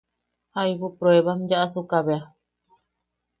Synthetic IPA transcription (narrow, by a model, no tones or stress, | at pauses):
hajβupɾoeβamd͡ʒaʔasukaβea